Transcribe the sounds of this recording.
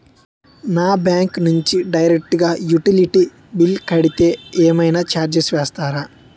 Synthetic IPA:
naːbjaːŋknuɲt͡ʃiɖɐjɾek̚ʈɡaːjuʈiliʈi | bilkɐɽit̪eːeːmɐjnaːt͡ʃaːɾd͡ʒesʋeːst̪aːɾa

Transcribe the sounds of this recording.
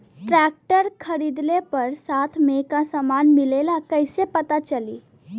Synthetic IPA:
ʈɾæk̚ʈəɾkʰəɾid̪lepəɾsat̪ʰmekãsəmanmilelakəjsepət̪at͡ʃəliː

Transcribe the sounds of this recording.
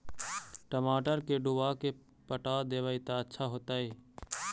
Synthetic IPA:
ʈəmaːʈəɾkeɖʊʋaːke | pəʈaːd̪eːʋaɪt̪aətːʃʰaɦoːt̪aɦeː

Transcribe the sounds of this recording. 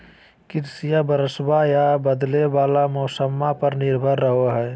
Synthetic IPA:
kɪɾsijabəɾəsbajabəd̪lebaːlamɔːsəmːapəɾnɪɾbʱəɾːəɦoɦɛː

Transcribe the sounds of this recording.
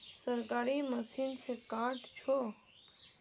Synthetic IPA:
səɾkaːɾiməsiːnsekaːʈt͡ʃʰo

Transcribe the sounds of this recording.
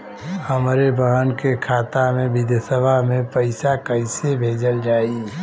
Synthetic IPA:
həmɾebəɦənkekʰaːt̪amẽbɪd̪jsəbʱamẽpəɪsakəɪsebʱeːd͡ʒəld͡ʒaːi

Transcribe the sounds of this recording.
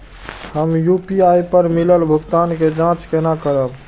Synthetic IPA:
həmjupiajpəɾmiləlbʱʊɡt̪anked͡ʒãt͡ʃkenakəɾəb

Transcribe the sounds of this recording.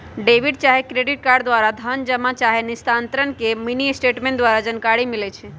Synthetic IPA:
ɖeʋiɖ̚t͡ʃaɦekɾeɖiʈ̚kaɾɖd̪ʋaɾad̪ʱənd͡ʒəmat͡ʃaɦenist̪ant̪ɾənkeminisʈeʈmẽɳʈd̪ʋaɾad͡ʒənkaɾimilɛt͡ʃʰɛ

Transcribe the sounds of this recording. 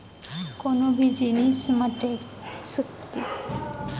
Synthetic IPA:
konobʱid͡ʑinismaʈe | sukt̪i

